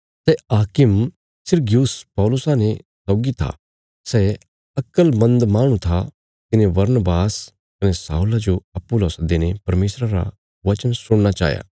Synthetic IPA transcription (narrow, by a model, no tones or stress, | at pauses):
sɛaːkɪm | sɪɾɡjuːspɔːlʊsanesɔːɡit̪ʰa̰ | sɛ | ɐkəlmɐ̃nd̪maːɽ̃ũt̪ʰa | k̪ɪnebɐɾnbaːs | kɐnɛsa̰ːulad͡ʒoɐpuloːsd̪eːnepɐɾmeːsɾaɾa̰ | ʋɐt͡ʃənsʊɽ̃nat͡ʃa̰ːja̰ː